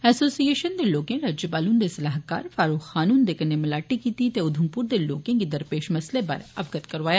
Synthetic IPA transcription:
ɛːsoːsieːʃənd̪eloːkẽɾaːd͡ʒjəpaːluːnd̪esɐlaːɦkaːɾfaːɾuːxxaːnuːnd̪eːkənːemɪlaːʈikiːt̪it̪eʊd̪ʱəmpuːɾd̪eloːkẽkid̪ɐɾpeːʃmɐslepɐ̰ɾɐ̰bɡət̪kɐɾʋaːja

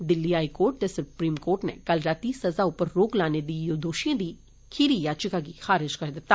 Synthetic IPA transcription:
d̪ɪlːiːɦaːikoːɾʈ̚t̪esʊpɾiːmkoːɾʈnḛkɐlɾaːt̪isɐzaʊpəɾːoːklaːned̪iːjod̪oːʃijãd̪iː | kʰiɾijaːt͡ʃɪkaɡixaːɾɪd͡ʒkɐɾd̪ɪt̪ːaː

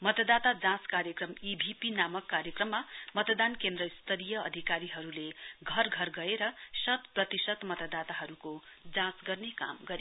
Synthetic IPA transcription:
mʌt̪ʌd̪at̪ad͡zãskaɾjʌkrʌmibʱipinamʌkːaɾjʌkrʌmːamʌt̪d̪ankend̪rʌist̪ʌɾijʌʌ̰d̪ʱikaɾiɦʌɾuleɡʱʌrɡʱʌrɡʌeɾʌsʌt̪prʌt̪isʌt̪mʌt̪ʌd̪at̪aɦʌɾukod͡zãsɡʌrneka̰mɡʌɾe

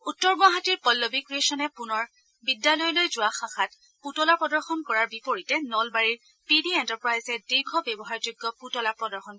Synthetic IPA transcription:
utːɔɹɡaɦatiɹpɔlːobikɹiesɔnɛpunɔɹ | bidːalɔjɔlojzʊwaxãxat | putɔlapɹɔdɔɹxɔnkɔɹaɹbipoɹitɛnɔlbaɹiɹ | pidiɛntaɹpɹajzɛdiɹɡʱɔbɛbɔɦaɹd͡ʒʊɡːɔputɔlapɹɔdɔɹxɔn

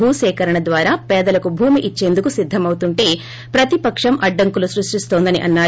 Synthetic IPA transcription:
uːsɛːkɐɾɐɳɐd̪ʋaːɾaːpɛːd̪ɐlɐkubʱuːmiʔit͡ʃːe̞ːnd̪ukusid̪ʱːɐmɐwut̪uɳʈe̞ː | pɾɐt̪ipɐkʂɐmʔɐɖːɐŋkulusɾuʂʈist̪o̞ːnd̪ɐniʔɐnːaː

